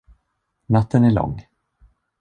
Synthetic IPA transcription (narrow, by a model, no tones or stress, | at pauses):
nat̪ːənæɭɔ̰ŋː